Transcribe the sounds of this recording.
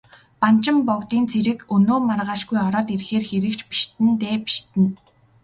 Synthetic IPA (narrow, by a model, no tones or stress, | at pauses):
pan̥t͡ɕɪ̆mpɔkt̪iːnt͡sʰeɾɘ̆kɵnoːmarʁaːʃɡujɔɾɔːt̪erxeːrxeɾɘ̆kt͡ɕpi̥ʃt̪ɘ̆nt̪eːpi̥ʃt̪ɘ̆n